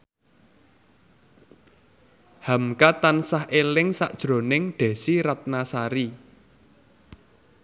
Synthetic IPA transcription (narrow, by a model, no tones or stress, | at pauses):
hamkat̪ansahʔelɪŋsa̰ʔd̥ʒ̥ɾo̤nɪŋɖ̪̥ɛ̤siɾat̪̚nasaɾi